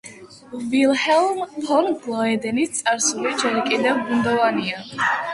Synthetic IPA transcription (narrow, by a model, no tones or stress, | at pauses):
vilˠhɛlˠmpʰɔnɡʰlˠaɛd̪ɛnit̪̚t̪sʼaɾsulid͡ʒɛɾikʼid̪ɛvbund̪ɔvania